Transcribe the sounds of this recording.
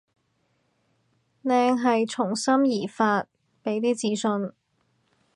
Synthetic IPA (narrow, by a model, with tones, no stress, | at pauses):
lɛː˧ŋɦɐ˨jt͡ʃʰʊ˨˩ŋsɐ˥mjiː˨˩faː˧t̚ | pe˨˥jt̪iː˥t͡siː˨˥sɵ˧n